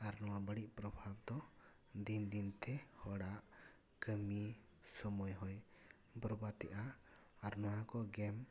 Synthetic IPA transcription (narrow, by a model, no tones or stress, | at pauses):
aɾnɔwabəɽiʔpɾɔbʱab̚d̪ɔ | d̪ind̪int̪ʰɛhɔɽaʔ | kəmi | sɔmɔjɦɔj | bɾɔbat̪ɛʔa | aɾnɔwakɔɡɛm